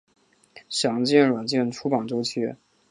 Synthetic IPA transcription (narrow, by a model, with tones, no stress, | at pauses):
ɕjɑ˨˧˥ŋt͡ɕɛ˥˩nɻwa˨˩nt͡ɕjɛ˥˩nʈ͡ʂʰu˧˥pɑ˨˩ŋʈ͡ʂo˥ʊt͡ɕʰɛ˥